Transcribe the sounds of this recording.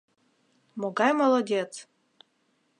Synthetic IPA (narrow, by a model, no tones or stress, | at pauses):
moɡɑjmolˠodʲet͡s